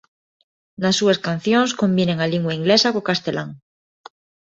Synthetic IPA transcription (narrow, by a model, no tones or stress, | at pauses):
lasːuaskan̟θjonsko̞mbjene̞ŋaliŋɡwaiŋɡlesakokast̪elaŋ